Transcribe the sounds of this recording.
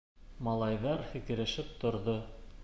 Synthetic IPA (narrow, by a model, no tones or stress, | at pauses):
mɑlˠɑjðɑɾfikɘ̆ɾɘ̆ʃɘp̚t̪ŏɾðo